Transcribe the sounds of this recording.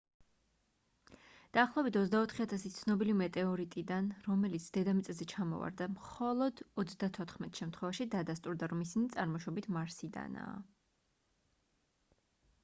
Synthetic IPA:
d̪̥aːχlˠaɔbit̪ʰɔzd̪aɔt̪ʰχiat̪ʰasit̪sʰnɔbilimɛt̪ʼɛɔɾit̪ʼid̪anɾɔmɛlit̪sʰd̪̥ɛd̪amɛt̪sʼɛlzɛt͡ʃʰamɔ̰va̰ɾd̪amχɔlˠɔd̪ɔt̪sʰd̪at̪ʰɔt̪ʰχmɛt̪ʰʼʃɛmt̪ʰχwɛvaʃid̪ad̪ast̪ʼuɾd̪aɾɔmisinit̪sʼaɾmɔʃɔbit̪ʰmaɾsid̪a̰na̰ː

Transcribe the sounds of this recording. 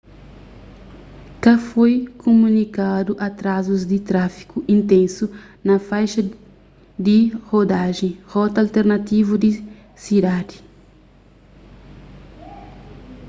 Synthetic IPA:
kɐfojkʰomũnikad̪uʔɐt̪ɾazuzd̪it̪ɾafi̥kuʔĩnt̪ẽnsunɐfajʃɐ | d̪ihod̪aʒẽhɔt̪alt̪eɾnat̪ivud̪i | sid̪ad̪i

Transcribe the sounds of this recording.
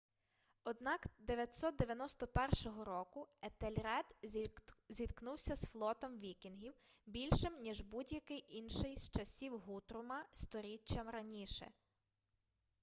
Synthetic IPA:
ɔd̪nɑkd̪eʋjɐt̪ʲsɔt̪̚d̪eʋʲjɐnɔst̪ɔpɛrʃɔɦɔɾɔkʊet̪elʲɾɛd̪ | zʲid̪knuwsʲɐsflˠɔt̪ɔmʋʲikʲinɦʲiwbʲilʲʃɪmnʲiʒbudʲjɐkɪjʔinʃɪjst͡ʃɐsʲiwɦut̪ɾʊmɐst̪ɔɾʲit͡ʃːɐmɾɐnʲiʃɛ̰

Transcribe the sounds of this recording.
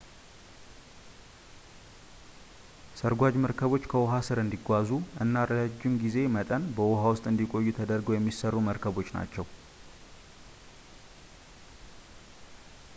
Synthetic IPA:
səɾɡʷad͡ʒməɾkʰəβo̞t͡ʃːkʰəwɔɦasɨɾɨnd̪iɡʷazuʔɨnːaɾrədad͡ʒːɪmɡize̞mət̪ʼənbəwɔɦawʊst̪ʼɨnd̪ikʼo̞jːut̪ʰəd̪əɾɡəwjɛmːisərːuməɾkʰəβo̞t͡ʃːna̰t͡ʃːɛw

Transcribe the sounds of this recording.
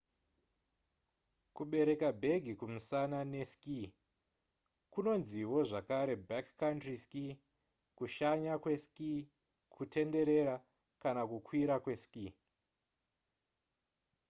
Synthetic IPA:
kuɓe̞ɾe̞kabʱe̞ɡʱikumusanane̞ski | kuno̞nziwo̞ʐakaɾe̞bakkːantriski | kuʃaɲakwe̞ski | kʰute̞nde̞ɾe̞ɾa | kanakukwiɾakwe̞skiː

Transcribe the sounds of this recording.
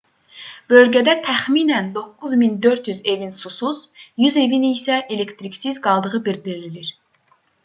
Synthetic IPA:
b̥ølɡʲɛd̪ɛt̪ʰæχminænd̪okːuzmind̪øɾt̪jyzevinsusuz̥jyzevinijsɛʔelekt̪ɾikʲsizɡɑlˠd̪ɯʁɯbiɾd̪iɾililiɾ

